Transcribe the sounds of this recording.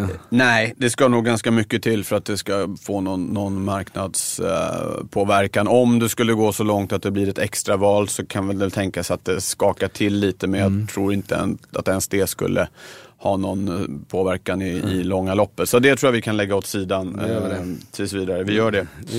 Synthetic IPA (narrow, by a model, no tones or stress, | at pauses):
nɛɪd̪ɛskanuːɡːɡanskamʏkːət̪ʰɪlːfœɾat̪̚d̪ɛskafoːnɔnːɔnmaɾknad̪s | pʰoːvæɾkanɔmd̪ɛskɵlːəɡoːsɔlɔŋt̪at̪̚d̪ɛblɪɾɛt̪ʰɛkst̪ɾavɑːlsɔkʰanvɛld̪ɛlt̪ʰɛŋkasat̪̚d̪ɛskɑːkaʈʰɪlːiːt̪əmɛnjɑt̪ʰɾuːɾɪnt̪əɛ̰na̰t̪ɛnsd̪eːskɵ̰lːʔə̰hɑːnɔnpʰoːvæɾkanɪɪlɔŋːalɔpːət̪sɔt̪̚d̪ɛt̪ʰɾuːjavɪkʰanlɛɡːaɔt̪siːd̪anːəɾɛt̪ʰːsɔviːd̪aɾəvɪjœːɖɛ